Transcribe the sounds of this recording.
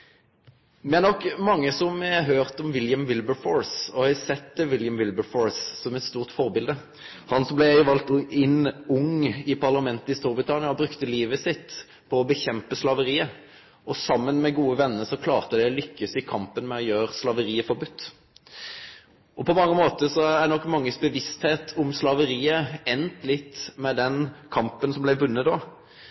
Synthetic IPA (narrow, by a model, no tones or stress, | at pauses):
d̪ɛænɔkːmɑŋːəsɔmɛɦøːʁt̪ɔmʋɪljəmʋɪlbəfɔɹsɔhɛsɛt̪ːʋɪljəmʋɪlbəfɔɹsːɔmɛt̪st̪uːʁt̪fɔʁbɪld̪ə | hɑnsɔmblɛæɪʋɑlt̪ɪnːʊŋɪpʰɑʁlɑmɛnt̪əɪst̪uːʁbʁɪt̪ʰɑnɪɑɔbɾʉkt̪əliːʋəsɪt̪ː | pʰɔːbəçɛmpəslɑʋəʁiːə | ɔsɑmːənmɛɡuːəʋɛnːəɾsɔkʰlɑːʁt̪əd̪ɛlʏkːəsɪkʰɑmpənmɛɔjøːɾəslɑʋəɾiːəfɔɾbʉt̪ː | ʔɔpʰɔmɑŋːəmoːt̪əsɔæɛnɔkːmɑŋːəsbəʋɪst̪heːt̪ʰʊmslɑʋəɾiːəɛnt̪lɪt̪ːmɛd̪ɛnkʰɑmpənsɔmblæɪʋʉnːət̪do